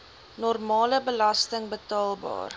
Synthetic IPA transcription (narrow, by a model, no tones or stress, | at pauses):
nɔrmɑːləbəlɐstəŋbətɑːlˠbɑ̰ːr